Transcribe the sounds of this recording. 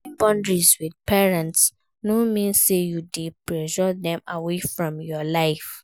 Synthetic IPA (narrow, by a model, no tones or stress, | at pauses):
bɔ̃ndɹiswidpɛɹɛ̃nts | nomĩnsejudepɹɛʒɔðɛ̃mawefɹɔ̃mjɔlaɪf